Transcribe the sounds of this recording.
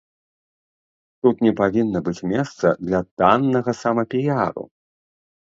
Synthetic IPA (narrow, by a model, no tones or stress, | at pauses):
t̪ut̪nʲɛpavʲinːɐbɨt͡sʲmʲɛst̪sɐ̰d̪lʲɐt̪anːɐɣɐsamɐpʲijaɾṵ